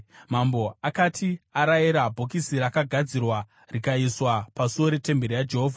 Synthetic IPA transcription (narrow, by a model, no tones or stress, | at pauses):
mambo̞akatʰiaɾajiɾabʱokisiɾakaɡʱad͡zirwa | rikaiswapasuwo̞ɾe̞te̞mbe̞ɾijad͡ʒe̞ɦoːvʱa